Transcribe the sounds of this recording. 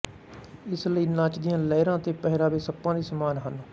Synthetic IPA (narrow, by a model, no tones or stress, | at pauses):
ɪsləiːnaːt͡ʃd̪ɪjãːlɛːɾãːt̪eːpɛɦɪɾaːbeːsəpːãːd̪iːsəmaːnɦən